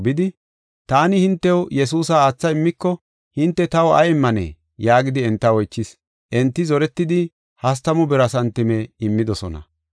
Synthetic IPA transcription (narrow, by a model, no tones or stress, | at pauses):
bɪd̪ɪ | t̪aːnɪhɪnt̪ːɛwjɛs̬uːsɐaːt͡sːɐɪmːɪkːɔ | hɪnt̪ːɛt̪ɐwɐ̰jɪmːɐnɛ̰ː | jaːɡɪd̪ɪɛnt̪ːɐwɔjt͡ʃːɪs | ʔɛnt̪ːɪzɔɾɛt̪ːɪd̪ɪ | hɐs̬t̪ɐmʊbɛɾɐsɐnt̪ɪmɛɪmːɪd̪ɔsɔnɐ̰